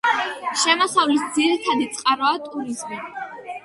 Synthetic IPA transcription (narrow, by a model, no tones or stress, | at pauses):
ʃɛmɔsavlisd̪ziɾit̪ʰad̪it̪sʼqʼaɾɔat̪ʼuɾizmi